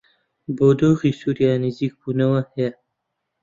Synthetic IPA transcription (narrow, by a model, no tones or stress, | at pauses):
boːd̪oːʁiːsuːɾjaːnɨziːk̚buːnɐwɐhɐjɐ